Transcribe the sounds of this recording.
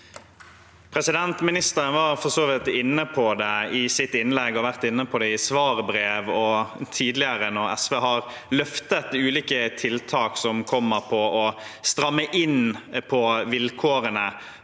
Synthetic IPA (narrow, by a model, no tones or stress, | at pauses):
pʰɾɛsɪd̪ɛnt̪mɪnɪst̪əɾənʋɑːɾfɔʁsoːʋɪt̪ɪnːəpʰɔd̪ɛɪsɪt̪ːɪnlɛɡːɔʋæʁt̪ɪnːəpʰɔd̪ɛɪsʋɑːʁbɾeːʋɔt̪ʰiːd̪lɪəɾənɔɾɛ̰sʋeːɦɑɾ | lœft̪ət̪ʉːliːkət̪ʰɪlt̪ʰɑːksɔmkʰɔmːəɾpʰɔɔst̪ɾɑmːəʔɪnpʰɔʋɪlkʰoːɾənə